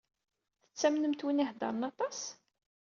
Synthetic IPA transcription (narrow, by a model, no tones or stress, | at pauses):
θə̥t͡sːæmnəmt̪winihd̪ɑ̰ɾˤənɑt̪ˤɑs